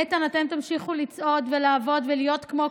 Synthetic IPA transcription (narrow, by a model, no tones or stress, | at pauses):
et̪anat̪emt̪amʃiχulit͡sʔo̞dvelaːvo̞d̪velijo̞t̪kmo̞